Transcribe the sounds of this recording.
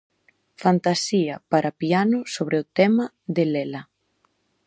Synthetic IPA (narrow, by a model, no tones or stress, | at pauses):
fant̪asiɐpaɾapianʊsoβɾeʊt̪ɛmɐ | ðelɛlɐ